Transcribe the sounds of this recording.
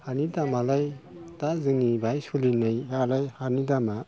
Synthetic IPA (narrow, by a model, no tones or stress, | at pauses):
hanitamalajtazɯnibʱajsulinɯjalajhaɾnidama